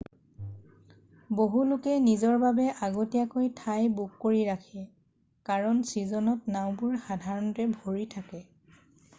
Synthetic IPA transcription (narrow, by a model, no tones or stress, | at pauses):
boɦulʊkɛnizɔɹbabɛʔaɡotijakojtʰajbukːoɹiɹakʰɛ | kaɹɔnsizɔnɔtnaw̃bʊɹxadʱaɹɔntɛbʱoɹitʰakɛ